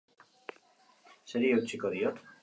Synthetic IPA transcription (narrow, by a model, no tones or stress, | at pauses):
se̞ɾiewt͡siko̞ðio̞t̪